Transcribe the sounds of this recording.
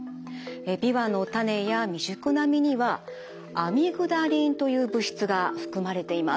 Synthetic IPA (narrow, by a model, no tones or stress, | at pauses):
ebʲiβano̞t̪ane̞jamʲiʑɨkɯ̟namʲiɲ̟iβaː | mʲiɡɯ̟d̪aɾʲĩnt̪o̞jɯ̟ːbɯ̟ɕi̥t͡sɨɡaɸɯ̥kɯ̟maɾe̞t̪e̞ima